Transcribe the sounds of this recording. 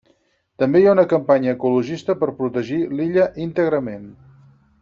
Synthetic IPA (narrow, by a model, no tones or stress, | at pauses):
t̪əmbejaunəkəmpaɲəːkuluʒist̪əpəɾpɾut̪əʒiliʎəʔint̪əɣɾəmen